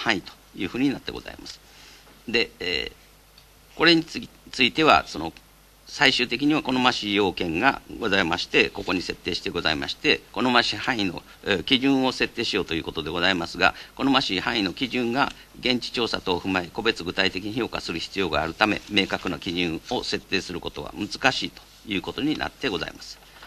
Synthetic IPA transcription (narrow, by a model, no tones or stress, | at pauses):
hãɰ̃it̪o̥ | jɯ̟ːɸɯ̟ːɲ̟inat̪ːe̞ɡo̞̰z̥a̰ḭma̰sɨ̥ | d̪e̞ḛː | ko̞ɾe̞ɲ̟it͡sɨit̪e̞βa̰so̞no̞̰ | saiɕɨːt̪e̞k̬ʲiɲ̟iβako̞no̞maɕijo̞ːkẽ̞ŋɡa̰ɡo̞zaimaɕi̥t̪e̞ko̞ko̞ɲ̟ise̞t̪ːe̞ːɕi̥t̪e̞ɡo̞za̰ima̰ɕi̥t̪e̞ko̞no̞maɕihãɰ̃ino̞̰ | kʲiʑɨ̃ɰ̃o̞se̞t̪ːeːɕijo̞ːt̪o̞jɯ̟ːko̞t̪o̞d̪e̞ɡo̞zaimasɨɡa̰ko̞no̞maɕihãɰ̃ino̞kʲiʑɨ̃ŋɡa | ɡẽ̞ɲ̟t͡ɕi̥t͡ɕo̞ːsat̪o̞ːɸɯ̟maeko̞be̞t͡sɨɡɯ̟t̪ait̪e̞kʲiɲ̟iço̞ːka̰sɨɾɯ̟çi̥t͡sɨjo̞ɡa̰ːɾɯ̟t̪ame̞̰me̞ːkakɯ̟nokʲiʑɨ̃ɰ̃o̞se̞t̪ːe̞ːsɨɾɯ̟ko̞t̪o̞βa̰mɯzɨ̥kaɕiːt̪o̥ | jɯ̟ːko̞t̪o̞ɲ̟inʔa̰t̪ːe̞ɡo̞za̰ḭmasɨ̥